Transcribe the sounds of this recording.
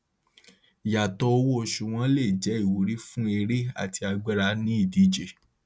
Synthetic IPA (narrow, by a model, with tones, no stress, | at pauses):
ja˨tɔ˧o˧wo˦o˧ʃu˨w̃ɔ̃˦le˦˨d͡ʒɛ˨˦i˦˨wo˨˦ɾi˦fũ˦e˧ɾe˦a̰˦˨ti˧a˧ɡ͡bɛ˦ɾa˧nĩ˦i˦˨di˨˦d͡ʒe˨